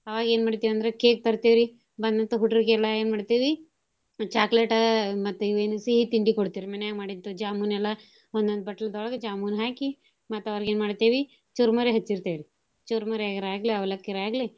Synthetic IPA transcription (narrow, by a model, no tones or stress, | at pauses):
ɐʋaːɡeːnmaːɽt̪iːʋɐnd̪ɐɾekeːk̚t̪ɐɾt̪eʋɾi | bɐnd̪ɐnt̪uɦuʈɐɾkelaeːnmaːɽɖt̪eːʋi | t͡ʃaːkleʈɐmɐt̪ːuiʋeːnusiɦit̪iɳɖikoɽt̪iʋiɾmɐnjaːɡmaːɽint̪ud͡ʒaːmunɛlːɐ | ond̪ond̪bɐʈːɐlɐd̪ɔɭɐɡɐd͡ʒaːmunɦaːki | mɐt̪ːɐʋaːɡeːnmaːɖt̪eːʋi | t͡ʃuɾmɐɾiɦɐt͡ʃːiɾt̪eʋɾi | t͡ʃuɾmɐɾaɡɐɾaːɡliɐʋɐlɐkːiɾaːɡli